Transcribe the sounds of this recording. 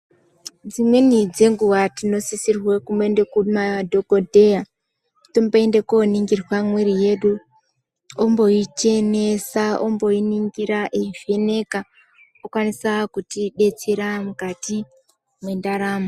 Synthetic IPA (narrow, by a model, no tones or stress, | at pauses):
d͡zimwe̞nid͡ze̞ŋɡuwatino̞sisirwekumboendekumadʱokodʱeja | tomboende̞koniŋɡirwamwiɾije̞ɗu | ombo̞it͡ʃe̞ne̞saʔombo̞iniŋɡiɾaʔev̥e̞ne̞ka | okwanisakutiɗe̞t͡seɾamukati | mwe̞ndaɾaːma